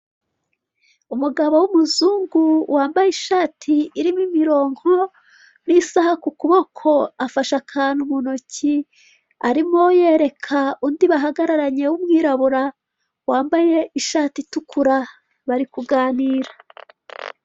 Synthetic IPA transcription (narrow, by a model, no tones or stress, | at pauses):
umuɡaβowumuzuːŋɡuwaːmbajeiʃaːtʰiːɾimimiɾo̞ːŋho̞ | nisahakukuβo̞kʰo̞afaʃakʰanumuno̞ci | aɾimo̞je̞ːɾe̞kʰaundiβaɦaɡaɾaɾaɲe̞wumŋiːɾaβuɾa | waːmbaje̞iʃaːtitukʰuɾa | βaɾikuɡaːniːɾḁ